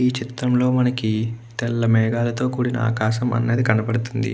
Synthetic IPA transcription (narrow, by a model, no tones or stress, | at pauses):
iːt͡ʃit̪ɾɐmlo̞ːmɐnɐkit̪ɛlːɐmɛːɡaːlɐt̪o̞ːkuːɽinɐ̰a̰ːkaːʃɐmɐ̰nːeːd̪ikɐnɐpɐɽut̪und̪ḭ